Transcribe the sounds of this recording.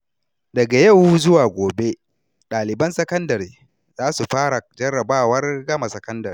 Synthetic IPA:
dɐ˨ɡa˨jɐ˦˨wzʊ˦waː˨ɡʷoː˨be˦ | ɗaː˨lɪ˨bɐ˦nsɐ˦kɐ˦ndɐ˨ɾeː˨ | zaː˦su˨ɸaː˦ɽa˨d͡ʒɐ˦ɽɐ˨baː˦˨wɐ˦rɡɐ˦ma˨sɐ˨˦kɐ˦ndɐ˨ɾi˦

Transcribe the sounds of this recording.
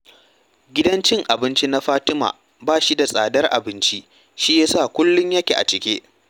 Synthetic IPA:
ɡʲɪ˦dɐ˦nt͡ʃɪ˦ŋʔa˨bɪ˦nt͡ʃi˦na˦ɸaː˦tɪ˦ma̰ː˨ | baː˦˨ʃi˦da˨sʼaː˨dɐ˦rʔa̰˨bɪ˦nt͡ʃi˦ | ʃi˦jaː˦saː˦˨kʷʊ˦lːʊ˦ɲjɐ˦kʲḛ˨ʔa˨t͡ʃɪ˨kʲeː˦ʔ

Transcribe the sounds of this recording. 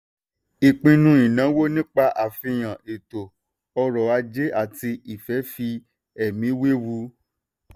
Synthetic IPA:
i˨k͡pĩ˧nũ˦ĩ˨nã˨˦wo˦nĩ˦k͡pa˧ʔa˨fĩ˧j̃ã˨ʔe˨to˨ | ɔ˧ɾɔ˨a˧d͡ʒe˦ʔa˦˨ti˧i˨fɛ˨˦fi˧ | ɛ˨mĩ˨˦we˦wu˧˦

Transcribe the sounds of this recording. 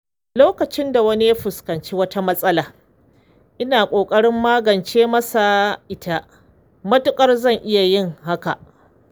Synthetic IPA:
loː˦kɐ˨t͡ʃɪ˦nda˨wɐ˦ni˦ja˦ɸʊ˨skɐ˨nt͡ʃeː˦wɐ˦ta˦mɐ˦sʼɐ˦laː˨ | ʔɪ˦naː˨kʷʼoː˨kʼɐ˦ɽɪ˦mːaː˦ɡɐ˨nt͡ʃeː˦mɐ˦sa˨ʔɪ˦ta˦ | mɐ˦tʊ˦kʼɐ˦rzɐ˦˨ŋʔɪ˦ja˨jɪ˦˨ŋɦa˦ka˨ʔ

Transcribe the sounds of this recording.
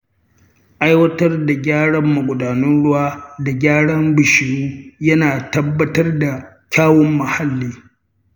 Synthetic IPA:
ʔa˦jwɐ˦tɐ˦rda˨ɡʲaː˦ɽɐ˦mːɐ˨ɡʷʊ˨daː˨nʊ˦nɽʊ˦waː˦da˨ɡʲaː˦ɽɐ˦mbɪ˨ʃɪ˨ɽuː˦jɐ˦naː˨tɐ˦bːɐ˦tɐ˦rda˨ | kʲaː˦wɔ˦mːɐ˨ha˦lːiː˦

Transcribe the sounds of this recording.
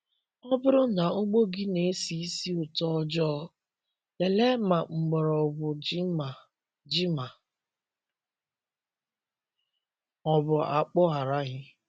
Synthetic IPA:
ɔ˦bʊ˦ɾʊ˦na˨ŋ̩˦ɡ͡bo˦ɡi˦ne˨˦si˦si˦ʊ˨tɔ˦d͡ʒɔː˦ | le˨le˦ma˨ŋ͡m̩˨ɡ͡bɔ˨ɾɔ˨bʊ˨˦˨ | d͡ʒi˦ma˨ | ɔ˨bʊ˨a̰˨k͡pɔ˦ɦa˨ɾa˦ɣɪ˦

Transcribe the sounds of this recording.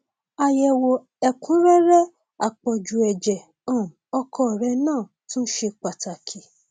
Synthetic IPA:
a˨˧jɛ˨wo˧ | ɛ˨kũ˨˦ɾɛ˦ɾɛ˦ | a˨k͡pɔ˨d͡ʒu˨ɛ˨d͡ʒɛ˨ | ɔ̃˨m˨ɔ˧kʰɔ˧˦˨ɾɛ˧˦nãː˦˨ | tũ˦ʃe˧k͡pa˨ta˨kʰi˨

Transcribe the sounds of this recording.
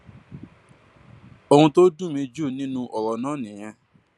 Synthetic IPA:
o˧hũ˧to˦dũ˦˨mĩ˧d͡ʒu˦˨nĩ˦nũ˧ʔɔ˨ɾɔ˨nãː˨˦˨nĩ˨j̃ã˧

